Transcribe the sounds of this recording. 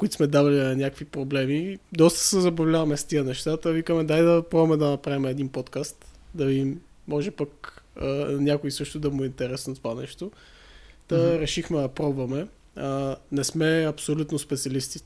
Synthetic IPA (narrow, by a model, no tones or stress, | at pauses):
kʊit̪smɛd̪avɐliɐnʲakvipɾoblɛmid̪ɔst̪ə̥sɛzɐbɐvlʲavɐmɛst̪iənɛʃt̪at̪əvikəmɛd̪ajd̪ɐpɾɔvmɛd̪ɐnɐpɾavimɛɛd̪inpot̪kast̪ | d̪ɐimː | ɔʒɛpək | nʲakʊisɤʃt̪ʊd̪ɐmuint̪ɛɾɛsnt̪ovanɛ̰ʃt̪o | t̪əɾɛʃixmɛd̪ɐpɾɔbvɐmɛ | nɛsmɛɐpsolʲut̪nospɛt̪siɐlist̪i̥